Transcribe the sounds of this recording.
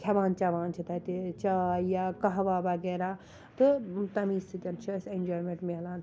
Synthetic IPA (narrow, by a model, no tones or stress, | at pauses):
kʰɐʋaːnt͡ʃɐʋaːnt͡ʃʰit̪ɐt̪et͡ʃajakɐɦʋaʋɐɡeːɾa | t̪ɨt̪ɐmiːstɨt̪ʲɐnt͡ʃʰɐsend͡ʒoːɾmẽɳʈmelaːn